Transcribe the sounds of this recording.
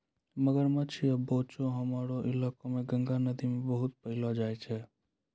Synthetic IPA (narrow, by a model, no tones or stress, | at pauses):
məɡəɾmət͡ʃʰiəbot͡ʃoɦəmaɾoʔilakomeɡə̃ŋɡanəd̪imebəɦut̪̚pəɦɪlɔd͡ʒajt͡ʃʰɛ